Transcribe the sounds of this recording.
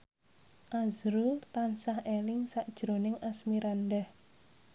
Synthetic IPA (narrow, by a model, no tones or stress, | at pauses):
ʔazɾut̪ansahelɪŋsaʔd̥ʒ̥ɾo̤nɪŋʔasmiɾandɛh